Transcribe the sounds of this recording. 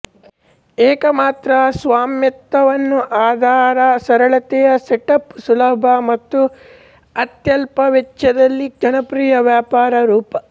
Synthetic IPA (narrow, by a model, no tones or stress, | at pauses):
ɛːkɐmaːt̪ɾɐsʋaːmjɐt̪ːɐʋɐnːuʔaːd̪ʱaːɾɐsɐɾɐɭɐt̪ɛjɐseʈɐpsulɐbʱɐmɐt̪ːu | ɐt̪jɐlpɐʋɐt͡ʃːɐd̪ɐlːiɡɐnɐpɾiːjɐʋjaːpaːɾɐɾuːpɐ